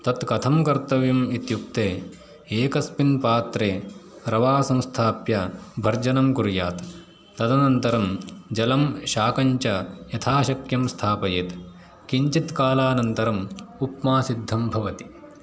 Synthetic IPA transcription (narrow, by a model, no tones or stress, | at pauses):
t̪ɐt̪kɐt̪ʰɐmkɐɾt̪ɐʋjumit̪juk̚t̪eː | eːkɐspinpaːt̪ɾeːɾɐʋaːsɐ̃w̃st̪ʰaːpjɐbʱɐɾd͡ʒɐnɐmkuɾjaːt̪ː | ɐd̪ɐnɐnt̪ɐɾɐmd͡ʒɐlɐmʃaːkɐɲt͡ʃɐjɐt̪ʰaːʃɐkjɐmst̪ʰaːpɐjet̪ | kiɲt͡ʃit̪kaːlaːnɐnt̪ɐɾɐmupmaːsid̪ʱːɐmbʱɐʋɐt̪i̥